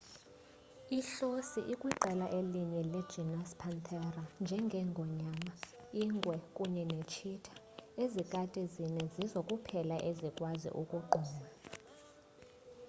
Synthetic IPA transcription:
iɬosiʔikʼwiǃɛlaʔeliɲɛlɛd̥ʒ̥ʱinaspʰant̪ʰɛrand͡ʒʱɛŋɡʱɛŋɡʱɔɲama | iŋɡʱwɛkʼuɲɛnet͡ʃʰitʰḁ | ezikʼatʼɛzinɛzizokʼupʰɛlaʔezikʼwazḭʔukʼuǃɔːma

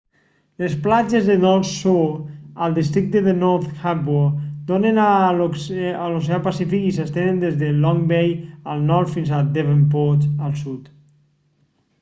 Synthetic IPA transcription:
lesplad͡ʒezðənɔɾsuəlˠd̪is̬t̪ɾik̚t̪əðenɔɾt̪xabod̪onena | alos̬eapasifikisəst̪enend̪ezðelɔŋbejəlˠnɔɾt̪finzad̪eβempot̪əlˠsut̪

